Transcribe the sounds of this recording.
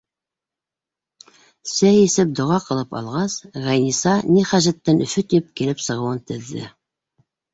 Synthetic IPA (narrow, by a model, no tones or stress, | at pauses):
sæjesɘp̚d̪ŏʁɑqɤ̆lˠɤpɑ̰lˠʁɑsʁæjnisɑniχæʒæt̪ːænʔɵ̆fɵt̪ip̚kilɘpsɤ̆ʁɤ̆wɤnt̪ʰɘ̆ðːɘ̰